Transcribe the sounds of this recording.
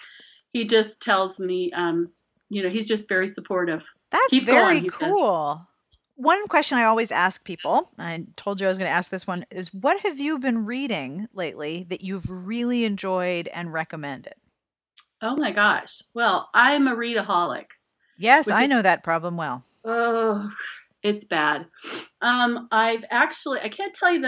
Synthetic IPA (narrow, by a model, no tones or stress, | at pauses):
hid͡ʒʌstʰɛlˠzmiʔʌ̃m | jɨñoʊizd͡ʒʌstv̥ɛɹisəpʰɔɹɾɪv̥ | ðætsvɹikʰulˠ | wʌ̃nkʰw̥ɛst͡ʃɨ̃ñaɪɔlˠwizæ̰sk̚pʰipl̩ˠaɪtʰoʊlˠd͡ʒɨaɪʌzɡʌ̃ñɨæsk̚ðɪswʌ̃nɪzwʌt̚hɨvjɨbɨ̃nɹiɾɪ̃ŋleɪʔliðɨt͡ʃɨvɹɪlˠiɨ̃nd͡ʒɔɪɾɨ̰̃nɹɛkɨmɛ̃ndɪ̰d̥̚ | oʊmaɪɡɑʃwɛlˠʔãɪ̃məɹiɾəɦɑlˠɪ̰k | jɛswaɪnoʊðɨt̚pʰɹ̥ɑblə̃mwɛlˠ | o | ɪtsb̥æd̥ʌ̃mʔaɪvæk̚t͡ʃul̩ˠiʔa̰ɪkʰæ̃ntʰɛlˠjɨð